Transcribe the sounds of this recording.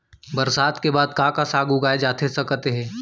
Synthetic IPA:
bɐɾsaːd̪kebaːd̪kãːkasaːɡuɡaːed͡ʒaːt̪esɐkət̪eɦɛ̃ː

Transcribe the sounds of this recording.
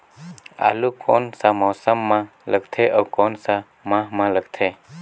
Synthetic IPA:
a̰ːlukʰoːnsãːmɔːsəmːãləɡt̪ʰeːʔəwkoːnsaː | mãːɦmãːləɡt̪ʰeː

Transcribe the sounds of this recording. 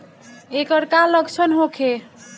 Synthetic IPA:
ekəɾkaləkt͡ʃʰənɦokʰe

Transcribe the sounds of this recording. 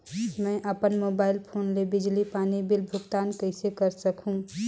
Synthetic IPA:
mə̃ʔəpənmobaːɪlpʰonlebid͡ʒlipanibilbʱʊɡt̪ankəɪsekəɾsəkɦũ

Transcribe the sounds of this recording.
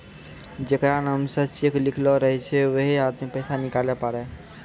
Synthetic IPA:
d͡ʒekɾanəmsət͡ʃeklikʰlɔɾəɦɛt͡ʃʰɛʋəɦiad̪mipəɪsanikalɛpaɽɛ

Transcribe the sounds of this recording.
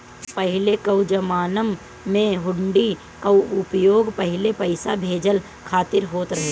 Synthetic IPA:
pəɦɪlekəwd͡ʒəmaːnəmː | ẽɦʊɳɖi | kəwʊpjoːɡpəɦɪlepəɪsabʱeːd͡ʒəl | kʰaːt̪ɪɾɦoːt̪ɾəɦe

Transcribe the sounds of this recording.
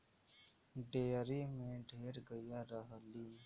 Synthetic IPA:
ɖeːɾimẽɖʱeːɾɡəjaɾəɦəliː

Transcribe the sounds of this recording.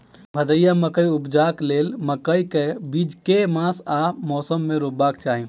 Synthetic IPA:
bʱəd̪əjːaməkəjʊbd͡ʒaːkleːlməkəjkebid͡ʒkemãːsamɔːsəmːẽɾoːbaːkt͡ʃaːɦĩ

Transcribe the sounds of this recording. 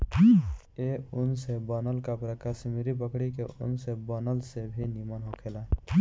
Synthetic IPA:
eunsebənəlkapɾəkasmiɾip̬əkɽikeṵnsebənəlsebʱinimənɦõkʰela

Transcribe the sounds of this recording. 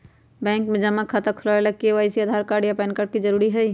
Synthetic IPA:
bɛ̃ːŋkmẽd͡ʒɐmːakʰat̪əkʰlaelɐɡ̚kiʋaːisiaːd̪ʱaːɾkaːɾɖjapɛːnkaːɾʈ̚kid͡ʒɐɾuːɾiɦɛi

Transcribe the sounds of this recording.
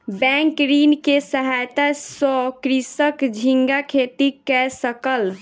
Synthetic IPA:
bɛ̃ŋkɾinkesəɦajt̪asɔkɾisəkd͡ʒʱiŋɡakʰet̪ikɛsəkəl

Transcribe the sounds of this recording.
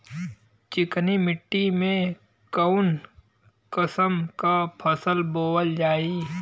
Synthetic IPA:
t͡ʃɪknimɪʈːimẽ | kɐʊn | kəsəmkapʰəsəlboːwəld͡ʒaːi

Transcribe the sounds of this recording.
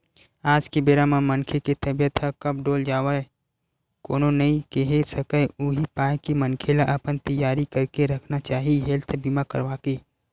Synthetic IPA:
aːd͡ʒkibeːɾamãmə̃nkʰeket̪ɐbjət̪ɦəkɐb̚ɖoːld͡ʒaːʋə | koːnonɐɦĩkeɦesəkəʊɦipaːekimənkʰelaʔɐpənt̪ɐjaːɾikɐɾkeɾəkʰnat͡ʃaːɦiɦelt̪ʰbimakə̰ɾʋaːkiː

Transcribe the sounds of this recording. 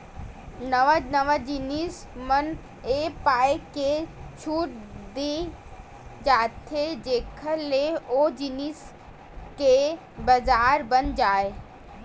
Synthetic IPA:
nəʋnəʋəd͡ʒinis | mən | epaːeket͡ʃʰuːʈ̚d̪e | d͡ʒaːt̪ʰed͡ʒeːkʰəɾleod͡ʒinis | ke | bəd͡ʒaːɾbənd͡ʒaːe

